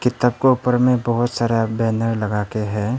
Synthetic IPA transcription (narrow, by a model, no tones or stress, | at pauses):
kɪt̪ab̚koupəɾmẽbɐɦʊt̪saːɾabɛːnəɾlɐɡaːkeɦɛ̃ː